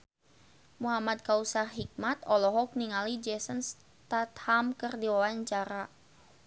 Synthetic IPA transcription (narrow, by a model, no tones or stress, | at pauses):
muɦamad̪̚kausaɦik̚mat̪ɔlɔɦɔk̚niŋalid͡ʒɛsəns | t̪at̪hamkərdiwawaɲt͡ʃaɾa